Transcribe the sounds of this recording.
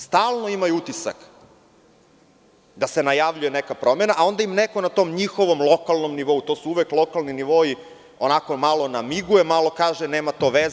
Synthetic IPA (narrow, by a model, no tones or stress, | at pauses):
st̪aːlˠnoimajuut̪isa̰k | d̪ase̞najaʋʎujenekapɾo̞me̞naʔao̞nd̪aimneko̞nat̪omɲixo̞ʋo̞mlˠo̞kalˠnomniʋo̞ut̪o̞ːsuuʋeklˠo̞kalˠniniʋo̞i | o̞nako̞malˠo̞namiɡujemalo̞kaːʒeneːmat̪o̞ʋez